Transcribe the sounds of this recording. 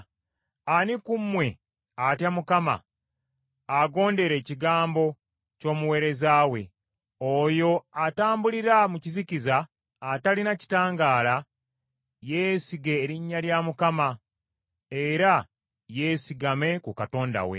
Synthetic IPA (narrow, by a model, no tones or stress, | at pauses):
anikumːwe̞ | atjamukama̰ | aɡo̞ːnde̞ɾe̞ːciɡaːmbo̞ | co̞ːmuwe̞ːɾe̞zaːwe̞̰ | ojo̞ataːmbuliɾamucizicizaː | talinaci̥taːŋɡaːla | jeːsiɡe̞ːɾiɲːaljamukama | eɾa | je̞ːsiɡame̞kukato̞ːnda̰wḛ